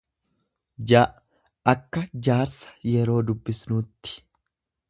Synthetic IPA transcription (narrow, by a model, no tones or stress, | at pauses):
d͡ʒaːʔ | ʔɐkːɐd͡ʒaːɾsɐ̥jɛɾo̞ːd̪ʊbːɪsnuːt̪ːɪ̥